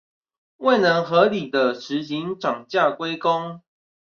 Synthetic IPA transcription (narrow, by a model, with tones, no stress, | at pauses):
we˥˩ɪnə˧˦ŋxɤ˨˦li˨˩d̪ə˦ʂɻ̩˨˦ɕi˨˦ŋʈ͡ʂɑ˨˩ŋt͡ɕja˥˨kwe˥˦ɪkɔ˦ŋ